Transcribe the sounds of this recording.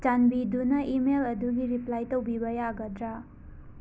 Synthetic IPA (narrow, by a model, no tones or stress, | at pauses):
t͡ʃanbidunɐʔimelɐduɡiɾiplajtowbibɐjaɡɐdɾa